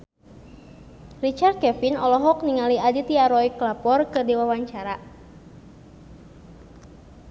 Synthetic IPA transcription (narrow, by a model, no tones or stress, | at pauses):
rit͡ʃart̪̚kɛfinɔlɔɦɔk̚niŋaliadit̪iaɾɔiklapɔrkɨrdiwawaɲt͡ʃaɾa